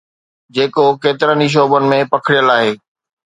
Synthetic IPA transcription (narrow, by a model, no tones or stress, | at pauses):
d͡ʑeːkokeːt̪ɪɾəniʃ̬ɔːbənɪ̆mẽpɐkʰɪɽijəlaːɦeː